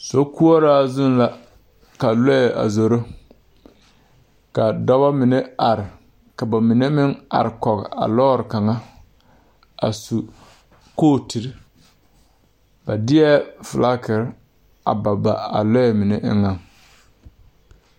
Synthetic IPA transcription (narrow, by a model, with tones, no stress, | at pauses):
so˦ku˦ɔ˦ɾaː˦zʊ˦nla˨ | ka˨lɔ˦ɛ˨a̰˨zo˨ɾo˦ | ka˨dɔ˦ba˦mɪ˨ne˦a˨ɾɪ˨ | ka˨ba˨mɪ˨ne˦mɪ˦ŋa̰˨ɾɪ˨kɔ˨ɣɪ̰˨a̰˨lɔː˦ɾɪ˨ka˨ŋa˦ | a̰˨su˨ | koː˦˨ti˨ɾi˦ | ba˨dɪ˦ɛ˦fɪ˨la˦kɪ˨ɾ | a̰˨ba˨ba˨a̰˨lɔ˦ɛ˨mɪ˨ne˦ʔɪ̰˦ŋa˨ŋ